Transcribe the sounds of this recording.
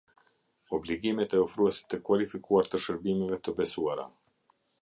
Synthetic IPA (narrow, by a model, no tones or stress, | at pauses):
ɔbliɡimɛt̪ɛɔfɾuɛsɛ̥t̪əkvalifikuaɾt̪əʃəɾbimɛvɛt̪əbɛsuaɾa̰